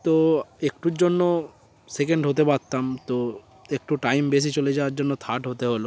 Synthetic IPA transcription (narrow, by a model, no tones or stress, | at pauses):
t̪oekʈuɾd͡ʑonːo | sek̬eɳɖɦot̪̬ebaɾt̪amt̪o | ek̚ʈuʈajmbes̬it͡ɕoled͡ʑawaɾd͡ʒonːot̪ʰaʈɦot̪eɦolo